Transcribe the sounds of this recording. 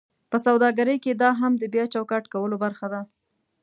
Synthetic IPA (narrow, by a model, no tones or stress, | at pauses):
pəsawd̪ɑɡaɾəjked̪ɑɦamd̪əbjɑt͡ʃawkɑʈkawəlobaɾxad̪a